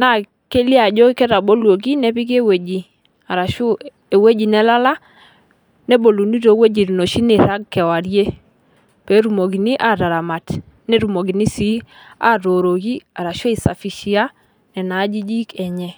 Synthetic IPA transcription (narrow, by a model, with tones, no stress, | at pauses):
na˦˨ | ke˦li˦a˨d͡ʒɔ˦kɛ˦ɾa˨bo˦lwo˨ɡ̬i˦nɛ˦bi˦ke˦we˨d͡ʒi˨ | a˨ɾa˨ʃʊ˦ | e˨we˦d͡ʒi˨nɛ˦la˦la˦ | nɛ˦bo˨lu˨ni˦ɾo˨˦we˦d͡ʒi˨ɾi˨no˨ʃi˦nɪ˨ɾa˦ɡ̚kɛ˨wa˨ɾje˦ | pe˨˦ɾu˨mo˨ɡi˨ni˦ʔa˦ɾa˨ɾa˨ma˨t | nɛ˦ɾu˨mo˨ɡi˨ni˦si˦a̰˦ɾo˨ɾo˨ɡi˦a˨ɾa˨ʃo˦i˨sa̰˨fi˨ʃi˦a˦ | nɛ˨na˨˦d͡ʒi˦d͡ʒi˦kɛ˨ɲɛ˦